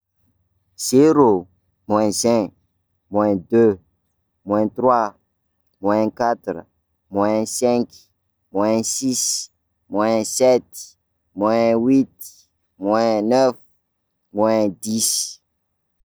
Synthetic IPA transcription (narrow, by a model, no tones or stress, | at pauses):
z̥eɾo | mwɛ̃sɛ̃ | mwɛ̃d̪ø | mw̃ɛ̃t̪ɾwa | mwɛ̃kat̪ɾ | mwɛ̃sɛ̃k | mwɛ̃sis | mwɛ̃sɛt̪ | mwɛ̃wit̪ | mwɛ̃nɛf | mwɛ̃d̪is